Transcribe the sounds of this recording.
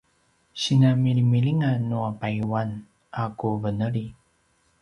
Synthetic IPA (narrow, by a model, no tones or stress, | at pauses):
ɕinamiɭimiliŋanuapajuwan | akuvənəɭi